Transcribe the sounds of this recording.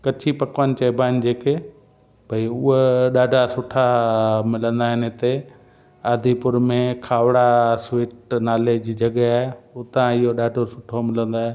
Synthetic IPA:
kɐt͡ɕʰipɐkʋənɪ̆t͡ɕɐːbʱaːn̆d͡ʑeːke | bʱɐiʊɦɗaːɖʱasʊʈʰamɪlə̃nd̪aːɦɪnet̪e | aːd̪ʱipʊɾmẽkʰaːʋɽaswiːʈnaːled͡ʑid͡ʑɐɠaːɦeʊt̪ãɪɦoɗaːɖʱosʊʈʰomɪlə̃nd̪aːɦe

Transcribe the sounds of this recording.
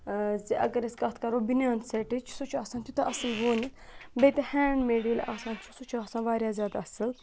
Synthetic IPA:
ziʔɐ̰ɡɐɾesɡɐt̪ʰkɐɾoːbinʲjaːnsɐʈit͡ʃʰsut͡ʃʰaːsaːnt̪ʰʲut̪ɐʔɐsɨlʋoːnʲit̪bejt̪ehɛːɳmeːɽilʲʔaːsãːnt͡ʃʰusut͡ʃʰaːsãːnʋaːɾʲjaːzʲjaːd̪aɐsɨl

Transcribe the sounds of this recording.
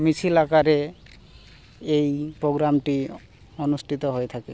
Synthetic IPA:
mit͡ɕʰilakaɾe | ejpɾoɡɾamʈi | onusʈʰit̪oɦoet̪ʰake

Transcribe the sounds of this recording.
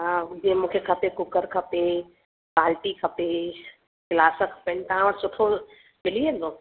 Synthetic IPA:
ad͡ʑĩə̃mũːkʰekʰɐpekʊkəɾkʰɐpe | paːlʈikʰɐpe | kɪlaːsəkʰɐ̥pent̪ɐãʋəɽsʊʈʰo | mɪliẽnd̪oː

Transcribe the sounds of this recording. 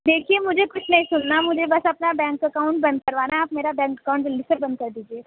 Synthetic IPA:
d̪eːkʰiemʊd͡ʒʱekʊt͡ʃʰnɐɦĩsʊnːamʊd͡ʒʱebɐsɐpnabɛ̃ːŋkɐkaːʊ̃ɳʈ̚bɐ̃nd̪̚kɐɾʋaːnaaːpmeːɾabɛ̃ːŋkəkaʊ̃ɳʈɾɪlisəɾbɐ̃nd̪̚kɐɾd̪iːd͡ʒieː

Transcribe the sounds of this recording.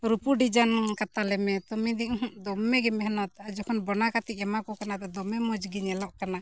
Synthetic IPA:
ɾupuɖid͡ʒankat̪alɛmɛt̪ɔmid̪iʔɦũʔd̪ɔmːɛɡɛmɛɦnɔt̪ad͡ʒɔkʰɔnbɔnakat̪iʔ̚ɛmakɔkanat̪ɛd̪ɔmɛmɔd͡ʒɡiɲɛlɔʔkana

